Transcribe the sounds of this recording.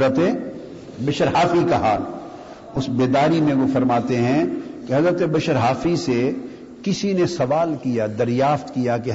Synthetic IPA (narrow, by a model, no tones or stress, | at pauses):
ɾət̪e | bɐʃəɾɦaːfikaɦaːl | ʊsbeːd̪aːɾimẽkofɐɾmaːt̪eɦɛ̃keɦɐzɾət̪ebɐʃəɾɦaːfise | kɪsinesɐʋaːlkijad̪ɐɾjaːft̪kijake